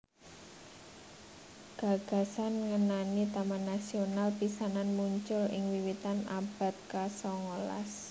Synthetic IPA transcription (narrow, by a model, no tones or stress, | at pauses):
ɡ̥a̤ɡ̥ä̤sanŋənanit̪amanːasionalpisananmuɲt͡ʃʊlɪ̰ŋwiwit̪ana̰b̥ä̤t̪̚kasɔŋola̰s